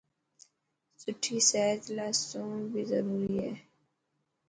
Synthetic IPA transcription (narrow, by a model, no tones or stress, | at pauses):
sʊʈʰisɛːt̪laːsõːnbʱizəɾuːɾiɦɛː